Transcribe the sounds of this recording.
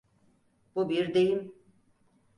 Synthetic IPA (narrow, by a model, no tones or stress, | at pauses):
bubiɾd̪ejim